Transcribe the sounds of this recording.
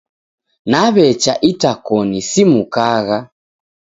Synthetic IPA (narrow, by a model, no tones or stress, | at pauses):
naβɛt͡ʃaʔitakɔnisimukaɣa